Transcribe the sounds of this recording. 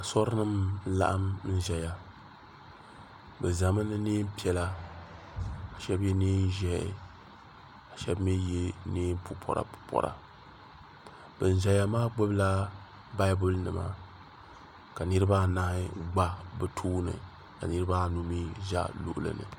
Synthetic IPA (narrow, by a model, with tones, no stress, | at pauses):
a˨sɔ˦ɾnɨ˦m˦la̰˦ʔa˦m˦n̩˦ʒɛ˨ja˨ | bɨ˨za˨mɨ˦nɨ˦niː˦m˦pi˦ɛ˨la˦ | a˨ʃɛ˦bjɛ˦niː˦n˦ʒɛ˦ʔɪ̰˨ | a˨ʃɛ˦bmɛ˦je˦niː˦m˦pʰu˦pʰɔ̰˨ɾa̰˨ppʰɔ̰˨ɾa̰˨ | bɨ˨n̩˨ʒɛ˨ja˦maː˦ɡ͡bo˦bla˦ | ba˦ɪ˦bʊ˦lnɨ˨ma̰˨ | ka˨nɨ˦ɾɨ˦ba˦na˦hɪ˦ɡ͡ba˦bɛ˨tʰuː˦nɨ̰˨ | ka̰˨nɨ˦ɾɨ˦ba˦nu˦mi˦ʒa̰˦lṵ˦˨ʔʊ˦lɨ̰˨nɨ̰˨